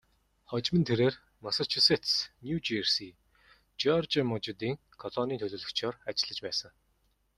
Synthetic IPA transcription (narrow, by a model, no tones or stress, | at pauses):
χɔt͡ɕmɘ̆nt̪ʰeɾeːr | masat͡ɕʰuset̪snjut͡ɕirsi | t͡ɕɔrt͡ɕamʊt͡ɕɪ̆t̪iːŋ | kʰɔɮɔniːt̪ʰɵɮɵːɮɵ̆kt͡ɕʰɔːrat͡ɕɪ̆ɮə̆t͡ɕpæːsə̆ŋ